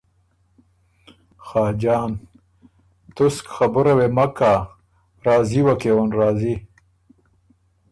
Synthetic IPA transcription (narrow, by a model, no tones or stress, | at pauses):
xaːd͡ʑɑːn | t̪uskxabuɾɐwemɐka | ɾɑːziwɐkewonɾaːzi